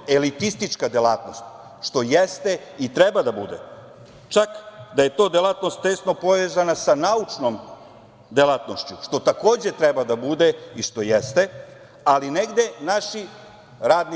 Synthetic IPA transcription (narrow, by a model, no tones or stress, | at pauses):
e̞lit̪ist̪it͡ʃkad̪elˠaːt̪no̞st̪ | ʃt̪o̞jest̪e̞it̪ɾebad̪abud̪ḛ | t͡ʃakd̪aje̞t̪o̞ːd̪elˠat̪no̞st̪ːe̞sno̞po̞ʋe̞ːzanasanaut͡ʃno̞m | d̪elaːt̪no̞ʃt͡ɕuʃt̪o̞t̪ako̞ːd͡ʑe̞t̪ɾebad̪abud̪e̞iʃt̪o̞jest̪e̞ | aline̞ɡd̪e̞naʃi | ɾaːd̪ni